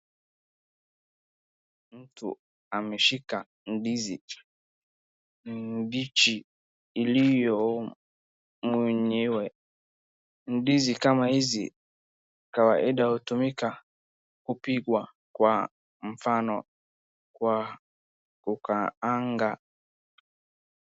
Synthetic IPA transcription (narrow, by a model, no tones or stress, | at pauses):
n̩tṵ | ameʃika | n̩dizḭ | in̩dit͡ʃi | ilijɔ | muɲewe | n̩dizikamaizḭ | kawaʔɪdautumika | kupiɡwa | kwa | m̩fanɔ̰ | kwa | kʊkaaŋɡa